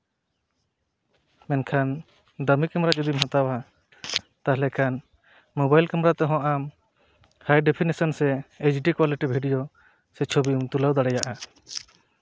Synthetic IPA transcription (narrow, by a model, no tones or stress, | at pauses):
mɛnkʰan | d̪amikamɾat͡ʃud̪imɦat̪awa | t̪aɦlɛkʰan | mɔbajlkamɾat̪ɔɦɔ̃ʔam | hajɖepʰinisɔnsɛet͡ʃɖikwaliʈibʱiɖijɔ | sɛt͡ʃʰobiuŋt̪ulawd̪aɽɛjaʔa